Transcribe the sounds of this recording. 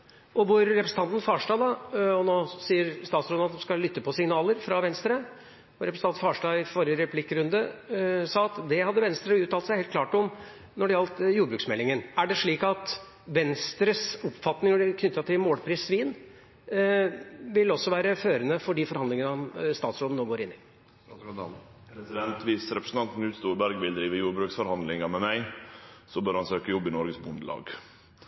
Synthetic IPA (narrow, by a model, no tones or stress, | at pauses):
ʔɔʋʊɾːɛpɾsn̩t̪ɑnt̪n̩fɑːʂʈɑːd̪ɑɔnoːsiːəɾst̪ɑːt̪sɾɔd̪ɑt̪ɔmskɑllʏt̪ːəpɔsɪŋnɑːləɾfɾɑʋɛnst̪ɾə | ʊɾɛpɾsɑn̩fɑːʂʈɑːɪfɔɾəɾɛpʰlɪkːɾʉnd̪əsɑːɑt̪d̪ɛhɑd̪ːəʋɛnst̪ɾəʉːt̪ʰːɑːlsæɪhɛlt̪kʰlɑːʈɔm | nɔɖɛjɑlt̪juːɾəbɾʉːksmɛlːɪŋənæɖɛʂɭiːkɑt̪ | ʋɛnst̪ɾəsʊpfɑt̪nɪŋɖɪkʰnʏt̪ːɑt̪ɪmoːlpʰɾiːsʋiːn | ʋɪlɔsːɔʋæːɾəføːɾənəfɔɖiːfɔɾhɑnd̪lɪŋənəɔmst̪ɑːt̪sɾoːd̪ənoːɡoːɾɪnːɪ | pʰɾɛsɪd̪ɛnt̪ʋɪːsɾɛpɾəsn̩t̪ɑnt̪n̩ʉːt̪st̪uːɾbæɾɡʋɪld̪ɾiːʋəjuːɾbɾʉːksfɔɾhɑnd̪lɪŋɑmɛmæɪsɔbœɾhɑnsøːkəjɔbːɪnɔɾɡəsbʊnd̪əlɑ̰ːɡ